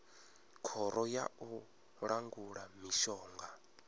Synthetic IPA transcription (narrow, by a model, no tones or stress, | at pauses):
kʰɔɾɔja̰u | ɺaŋɡuɺamiʃɔːŋɡa